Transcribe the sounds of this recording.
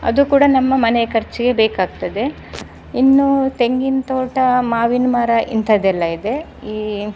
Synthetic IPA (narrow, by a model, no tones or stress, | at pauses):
ɐ̰d̪ukuːɽɐnɐmːɐmɐnekɐɾt͡ʃiɡe̞beːkaːɡ̚t̪ɐd̪e̞ | inːut̪e̞ŋɡint̪oːʈɐmaːʋinmaːɾɐʔint̪ʰɐd̪ɛlːɐid̪e̞ | iː